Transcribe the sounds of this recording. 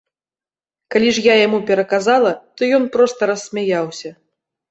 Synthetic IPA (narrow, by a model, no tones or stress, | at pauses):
kalʲiʐjajamupʲɛɾɐkazalˠɐt̪ɔjɔnpɾɔst̪ɐɾɐsːʲmʲajawsʲɐ